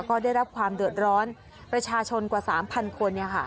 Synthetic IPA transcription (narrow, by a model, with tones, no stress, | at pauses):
kɔː˥˩daː˥˩jɾa˦˥p̚kʰwaː˧mdɯ˨˩ət̪̚ɾɔː˦˥n | pɾa˧t͡ɕʰaː˧t͡ɕʰo˧nkwaː˨˩saː˩˦mpʰa˧nkʰo˧nːi˥˩ɐkʰa̰˥˩